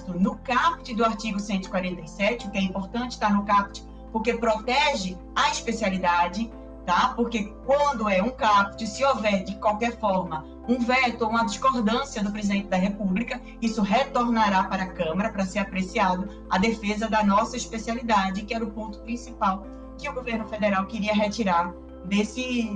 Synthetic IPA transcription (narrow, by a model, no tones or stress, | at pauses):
t̪ʊnʊkapt͡ʃɪd̪ʊaɾt͡ʃiɡʊsẽnt̪ʊɪi̥kwaɾẽnt̪ɐjsɛt͡ʃɪʊkɪɛĩmpoɾt̪ɐ̃t͡ʃɪ̥ʃt̪aɾnʊkap̚t͡ʃɪ | poɾkepɾot̪ɛʒɪ | ɐiʃpesialid̪ad͡ʒɪ | t̪apoɾkekwɐ̃nd̪ʊɛũkapt͡ʃɪsɪovɛd͡ʒɪkwawkɛɾfɔɾmɐ | ũvɛt̪ʊoũɐd͡ʒiʃkoɾd̪ɐ̃siɐd̪ʊpɾezid̪ẽnt͡ʃɪd̪ɐɦepublikɐ | isʊɦet̪oɾnaɾapaɾɐːkɐ̃mɐɾɐpɾɐseɾapɾesiad̪ʊ | ɐd̪efezɐd̪ɐnɔsɐiʃpesialid̪ad͡ʒɪkɪɛɾʊpõnt̪ʊ̥pɾĩsipaw | kɪʊɡoveɾnʊfed̪eɾawkɪɾiɐɦet͡ʃiɾaɾ | d̪esɪ